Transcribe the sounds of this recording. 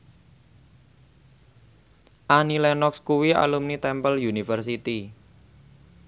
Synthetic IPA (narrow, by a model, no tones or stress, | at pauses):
ʔanilɛnɔkskuwia̰lumnit̪ɛmpəljunifərsit̪i